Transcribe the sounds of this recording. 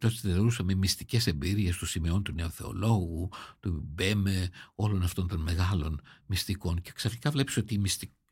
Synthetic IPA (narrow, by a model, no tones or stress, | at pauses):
t̪ost̪iðeoɾusɐmemist̪ice̞se̞mbiɾie̞st̪osimieo̞nt̪une̞oθe̞o̞̰lo̞ɣut̪ubemeo̞lo̞nɐft̪o̞nt̪o̞nme̞ɣɐlo̞nmist̪iko̞nceksɐni̥kɐvle̞pi̥so̞t̪iːmist̪i